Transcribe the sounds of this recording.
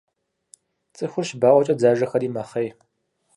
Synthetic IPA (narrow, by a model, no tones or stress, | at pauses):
t͡sʼɨxʷʊrʃbaːʔʷɔt͡ʃʼɐd͡zaːʒɐxɐriːmɐχej